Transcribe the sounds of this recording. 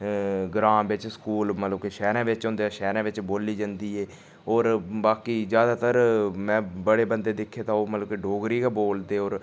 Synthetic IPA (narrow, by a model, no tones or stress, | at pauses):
ɡɾãːmbɪt͡ʃskuːlmət̪ləbkeːʃɛːɾãːʋɪt͡ʃɦʊ̃ːnd̪eaːʃɛːɾãːʋɪt͡ʃboːliːd͡ʒãnd̪iːɦɛː | oːɾbaːkiːzjaːd̪aːt̪əɾmɛ̃ːbəɽeːbənd̪eːd̪ɪkʰːeːt̪ãːoːmət̪ləbkeɖoːɡɾiːɡaːboːld̪eːoːɾ